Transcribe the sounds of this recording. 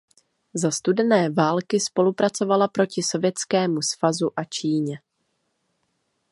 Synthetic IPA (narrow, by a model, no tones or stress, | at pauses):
zast̪udɛnɛːvaːlkɪspo̞lupɾat͡so̞valapɾo̞cɪso̞vjɛt͡skɛːmusv̥azuʔat͡ʃiːɲɛ